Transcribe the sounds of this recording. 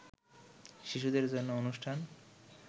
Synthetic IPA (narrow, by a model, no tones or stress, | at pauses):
ʃiʃud̪eɾd͡ʑonːoonuʃʈʰan